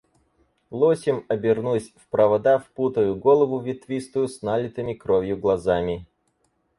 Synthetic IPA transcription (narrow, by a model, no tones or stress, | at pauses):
lˠosʲɪmɐbʲɪrnusʲfpɾəvɐd̪afput̪əjʊɡolˠəvʊvʲɪt̪vʲist̪ʊjʊsnalʲɪt̪ɨmʲɪkɾovʲjʊɡlˠɐzamʲɪ